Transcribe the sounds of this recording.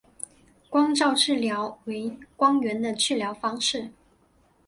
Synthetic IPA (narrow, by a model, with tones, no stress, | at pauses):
kwɑ˥ŋʈ͡ʂɑ˥˧ʊʈ͡ʂɻ̩˥˩ljɑ˧˥ʊwe˧˥ɪkwɑ˥ŋɥɛ˧˥nd̪ə˧t͡ɕʰy˥˩ljɑ˧˥ʊfɑ˥ŋʂɻ̩˥˩